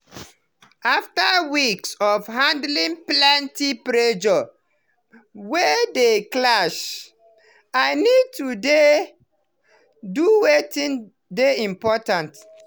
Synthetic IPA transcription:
aftawiksɔfhãndlĩŋplɛ̃ntipɹed͡ʒɔ | wedeklaʃ | aɪnid̚tude | duwetĩn | deĩmpɔtãnt

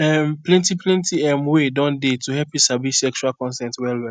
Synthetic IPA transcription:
ɛmplɛ̃ntiplɛ̃ntiɛ̃mwedɔ̃ndetuɦɛpisabisɛkt͡ʃualkɔ̃nstɛ̃ntwɛlwɛ

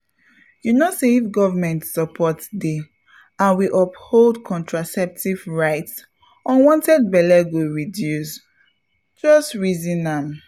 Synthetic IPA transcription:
junosevɡɔvəmɛ̃ntsɔpʰɔtde | ãnwiʔɔpholdkʰɔ̃ntʰɹasɛp̚tʰivɹaɪts | ɔ̃nwɔ̃ntɛd̚bɛlɛɡoɹidjus | d͡ʒɔstɹizĩnãm

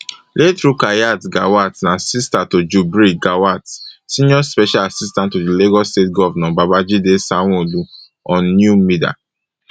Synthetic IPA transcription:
lʔetɾukajatɡawatnãsistatod͡ʒubɾiɡawatsĩnɔspɛʃalasistãntodileɡɔstetɡɔvanɔbabad͡ʒidesaŋũdu | ɔ̃nːjumida̰

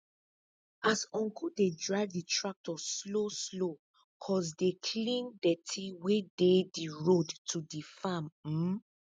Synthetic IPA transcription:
asɔ̃ŋkʰudedɹaɪvditʰɹak̚tɔsloslo | kʰɔsdekʰlĩndɛtʰiwedediɹodtʰudifamm̩

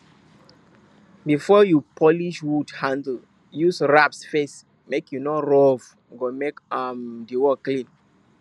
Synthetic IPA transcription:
bifɔjupʰɔliʃwudhãndl̩ | jusɹapsfes | mekjunɔɹɔv | ɡomekamdiwɔklĩn

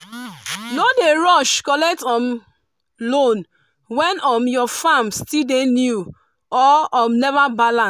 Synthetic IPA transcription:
nodeɹɔʃkɔlɛk̚tɔm | lon | wɛnɔmjɔfamstidenju | ɔɔmnɛvabalã

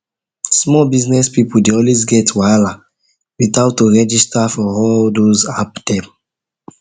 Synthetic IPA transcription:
smɔbiznɛspipudeɔlwesɡɛtwala | witaʊtːoɹɛd͡ʒistafɔɔldozaptɛ̃m

